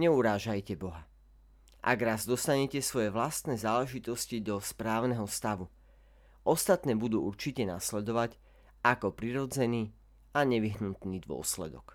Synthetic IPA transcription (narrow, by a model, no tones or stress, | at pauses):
ɲɛuɾaːʒajcɛbɔɦa | ʔa̰ɡɾaːzd̪ɔst̪aɲɛcɛsʋɔjɛʋlast̪nɛːzaːlɛʒit̪ɔscid̪ɔspɾaːʊnɛɦɔst̪aʋu | ʔɔst̪at̪nɛːbud̪uːuɾt͡ʃicɛna̰slɛd̪ɔʋac | akɔpɾiɾɔd͡zɛniː | aɲɛʋiɦnut̪niːd̪ʋʊɔ̰slɛ̰d̪ɔ̰k